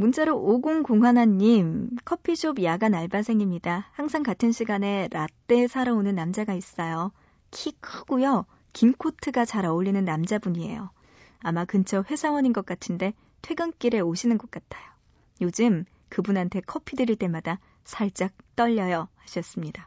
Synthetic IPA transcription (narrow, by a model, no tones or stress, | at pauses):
munt͡ɕ͈aɾoʔoɡoŋkoŋɦwanaɲːimkʰʌpʰiɕʰobjaɡanaɭbasʰe̞ŋimɲidahaŋsʰaŋkatʰɯnɕʰiɡane̞ɾat͈e̞sʰaɾaonɯnːamd͡ʑaɡais͈ʌjo | kʰikʰɯɡujʌ | kimkʰotʰɯɡat͡ɕaɾaoʎːinɯnːamd͡ʑabuɲie̞̰jo | amakɯnt͡ɕʰʌɸwe̞sʰawʌɲinɡʌk͈̚atʰɯnde̞ | tʰwe̞ɡɯnk͈iɾe̞oɕʰinɯnɡʌk͈atʰajo | jod͡ʑɯm | kɯbunɦantʰe̞kʰʌpʰidɯɾiɭt͈e̞mada | sʰaɭt͡ɕ͈ak̚t͈ʌʎːʌjʌhaɕʰiʌs͈ɯmɲida